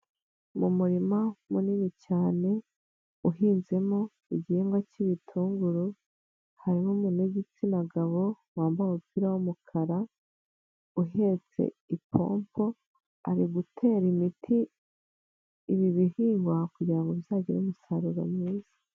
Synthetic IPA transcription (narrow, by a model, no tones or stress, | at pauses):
mumuɾimamuninit͡ʃaːne̞ | uɦiːnze̞mo̞ | iɟeːŋɡwaciβitʰuːŋɡuɾu | haɾimomune̞ɟit͡sinaɡaβo̞ | waːmbaumupiɾawumukʰaɾa | uɦe̞t͡se̞̰ipʰo̞̰ːmpʰo̞ | a̰ɾiɡutʰe̞ːɾimitʰi | βiβihiːŋɡwakuɟiɾaŋɡovjaːɟiɾumusaɾuɾa̰mŋiːzḁ